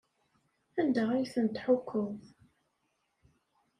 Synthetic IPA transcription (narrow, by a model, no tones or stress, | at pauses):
ænd̪ææjθənt̪ħʊkʰːəð